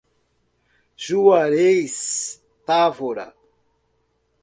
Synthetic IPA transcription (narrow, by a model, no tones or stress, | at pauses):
ʒuwaɾejs | t̪avoɾa̰